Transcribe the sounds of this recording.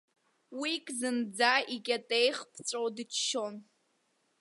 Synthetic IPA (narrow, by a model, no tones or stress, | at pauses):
wikʼzɨnd͡zaikʲʼatʼejχpʰt͡sʷʼowdɨt͡ʃʰʃo̞n